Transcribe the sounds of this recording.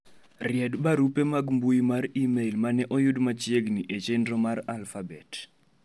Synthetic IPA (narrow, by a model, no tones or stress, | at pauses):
rɪɛdbaɾupemaɡmbujimaɾimelmanɛʔɔjudmat͡ʃieɡniʔet͡ʃendɾɔmaɾalfabɛt